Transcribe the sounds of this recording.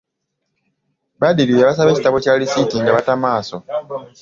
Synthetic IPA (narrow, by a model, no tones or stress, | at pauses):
βadiɾileβas̬aβe̞ːcitaβo̞calisitiŋɡaβatamaːso̞